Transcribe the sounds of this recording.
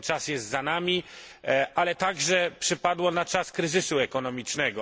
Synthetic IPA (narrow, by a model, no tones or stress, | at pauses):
t͡ʂasjɛst̪zanamʲi | ʔalɛt̪aɡʐɛpʂɘpad̪wɔnat͡ʂaskɾɘzɘsuɛkɔnɔmʲit͡ʂnɛɡɔ